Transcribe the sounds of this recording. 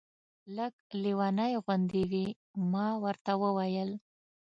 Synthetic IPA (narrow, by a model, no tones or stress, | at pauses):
ləɡliwɑnajɣwand̪iwi | mɑwəɾt̪awəwajəl